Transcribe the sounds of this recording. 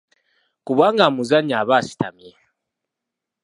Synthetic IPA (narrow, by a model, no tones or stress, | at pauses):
kuβaŋɡamuzaɲaːβasi̥ta̰mie